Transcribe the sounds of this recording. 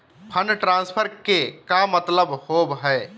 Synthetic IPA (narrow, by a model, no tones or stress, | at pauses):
pʰənʈɾãːnspʰəɾkekamət̪ləbhobɦɛ